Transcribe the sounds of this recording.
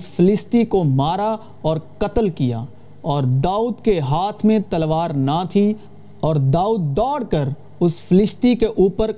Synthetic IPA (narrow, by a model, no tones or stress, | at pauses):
sfʰɪlɪst̪ikomaːɾa | ɔːɾkɐt̪əlkija̰ː | ɔːɾd̪aːuːd̪keɦaːt̪ʰmẽt̪ɐlʋaːɾnat̪ʰi | ɔːɾd̪aːuːd̪̚ːɔːɽkəɾ | ʊsfɪlɪst̪ikeʔuːpəɾ